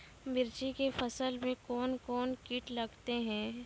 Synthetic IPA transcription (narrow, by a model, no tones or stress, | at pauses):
mɪɾt͡ʃikefɐsəlmẽkɔːnkɔːnkiːʈlɐɡt̪eɦɛ̃ː